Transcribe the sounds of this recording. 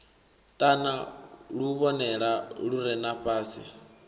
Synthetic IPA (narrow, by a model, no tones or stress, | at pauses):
tʼanaɺuβɔnɛɺaɺuɾɛnaɸʼaːsḭ